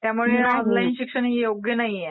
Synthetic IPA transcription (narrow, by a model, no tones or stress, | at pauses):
t̪jamuɭeɔnlainɕikʂənijoɡjənaɦije